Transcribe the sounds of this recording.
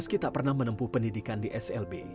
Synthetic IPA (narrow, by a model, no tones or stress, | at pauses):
əskit̪aʔpərnahmənəmpuhpəndidikandiʔɛsɛlbe